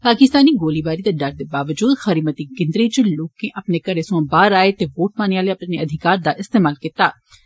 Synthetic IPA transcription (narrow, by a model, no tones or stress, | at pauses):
paːkɪst̪aːniːɡoːliːbaːɾiːd̪eːɖəɾd̪eːbaːʋəd͡ʒuːd̪xəɾiːmət̪iːkɪ̃nd̪ɾiːt͡ʃloːkẽːʔəpneːkəɾeːsʊ̃ãːbaːɾaːet̪eːʋoːʈ̚maːneːaːleːəpneəd̪ʱɪkaːɾd̪aːʔɪst̪eːmaːlkiːt̪aː